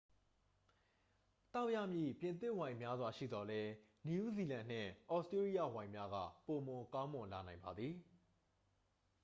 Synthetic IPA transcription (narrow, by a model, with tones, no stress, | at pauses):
t̪a˦ʊʔja˦˨mjḭ˦˨pjɪ̃˨nt̪ɪ˦ʔwã˨ɪ̃mja˦zwa˨ʃḭ˦˨d̪ɔ˨lɛ˦nu˨ʔu˦zi˨lã˨n̥ɪ̰̃˦˨ʔɔ˦˨ʔstɹe˦ɹi˦ja̰˦˨wã˨ɪ̃mja˦ɡä̰˦˨po˨mʊ̃˨kã˦ʊ̃mʊ̃˨nla˨nã˨ɪ̃mba˨d̪ði˨